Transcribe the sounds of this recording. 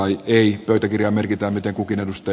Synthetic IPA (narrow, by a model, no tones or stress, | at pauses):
ɑieipøyt̪ækirjɑːmerkit̪æːmit̪eŋkukinedust̪ɑ